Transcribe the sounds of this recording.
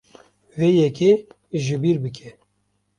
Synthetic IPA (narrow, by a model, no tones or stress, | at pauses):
veːjɛke | ʒɨbiːɾbɨkʰɛ